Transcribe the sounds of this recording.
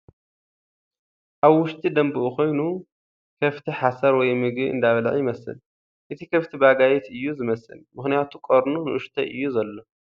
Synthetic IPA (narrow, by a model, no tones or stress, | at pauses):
ʔaβwʊʃt̪ʼid̪ɐmbɨʔuko̞jnu | kʰɐft̪ʰiħasɐɾwɔjmɨɡɨɨ̰nd̪aβɐlʕjɪmɐsɨ̰l | ʔɨt̪ʰikʰɐft̪ʰibaɡajɛt̪ʰɨjːuzɨmɐsɨ̰lmɨxnijat̪ʰukʼoɾnunɨʔʊʃt̪ʰɐʔɨ̰jːuzɐlːo̞